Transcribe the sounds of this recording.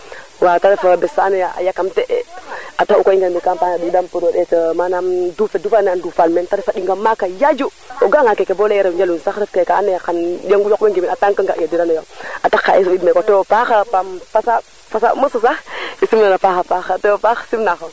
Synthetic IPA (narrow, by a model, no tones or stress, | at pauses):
wataɾefabɛsanajaʔa̰jakamtɛʔɛataukoiŋɡanbikampaːnadidampuɾodɛtəmanamdufedufanandufalmɛntaɾifaɗiŋɡamakajad͡ʒu | oɡaŋakekeboleɛɾawd͡ʒalunsaxɾəfkekaa̰najakanjaŋɡujokeŋɡeminataŋkəŋɡaʔjadiɾanajoatakːaesidmekoteofaxapamfasa | fasaməsəsaisimnanafaxafaxatɛofaxsimnaxo